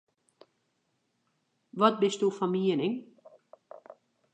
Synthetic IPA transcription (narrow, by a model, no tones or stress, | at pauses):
ʋɑd̪̚bɪst̪uːfɑmiːənɪŋ